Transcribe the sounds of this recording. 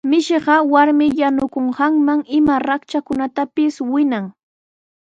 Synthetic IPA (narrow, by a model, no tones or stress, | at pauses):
mɪʃɪɢɑwaɾmɪjanʊkoɴɢɑŋmaŋɪmaɾakt͡ʃakʊnat̪apɪswɪnaŋ